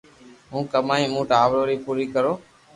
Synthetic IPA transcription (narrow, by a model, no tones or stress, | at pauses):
ɦũːkəmaːĩːmũːʈaːʋɽoːɾiːpuːɾiːkəɾoː